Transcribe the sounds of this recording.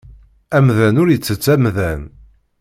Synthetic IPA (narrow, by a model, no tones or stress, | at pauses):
æmðænʊɾjət͡sːət͡sːæmðæn